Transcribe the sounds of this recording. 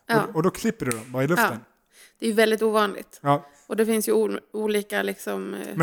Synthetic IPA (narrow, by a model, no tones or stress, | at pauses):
jɑɔːɔd̪ɔkʰlɪpːəɖɵd̪ɔmbɑːɾaɪlɵft̪ːən | d̪̥ɛæjɵvɛld̪ɪt̪uːvɑːnlɪ̰ɡt̪ɑː | ʔɔd̪ɛfɪnsjɵuːliːkalɪksɔmm